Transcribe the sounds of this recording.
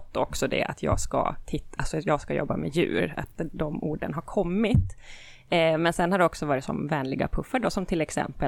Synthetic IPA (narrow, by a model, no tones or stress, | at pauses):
t̪ːɔksɔd̪ɛ̰ʔa̰t̪ʰjɑːɡska̰t̪ʰɪt̪ːalsɔjɑːɡskajɔ̰bːamɛjʉ̟ːɾa̰t̪d̪ɔmuːɖənɦaɾkʰɔmːɪt̪ | mɛnsɛnhaɖɛɔksɔvɑːɾɪt̪sɔ̰mvɛːnlɪɡa̰pʰɵfːəɖosɔmt̪ʰɪlɛksɛ̰mpə